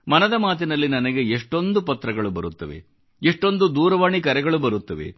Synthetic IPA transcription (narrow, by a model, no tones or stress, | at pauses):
mɐnɐd̪ɐmaːt̪inɐlːinɐnɐɡe̞eʂʈo̞nd̪upɐt̪ːɾɐɡɐɭubɐɾut̪ːɐʋe̞̰ | eʂʈo̞nd̪ud̪uːɾɐʋaːɳikɐɾɛɡɐɭubɐɾut̪ːɐʋe̞̰